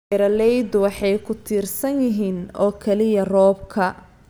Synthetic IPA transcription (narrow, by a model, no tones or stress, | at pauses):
ɾɐlɛjd̪wɑħɑjkʰʊt̪ʰiːrsɐnjɪɦiːnɔːkʰɛlɪjɐrɔːb̚kʰɐ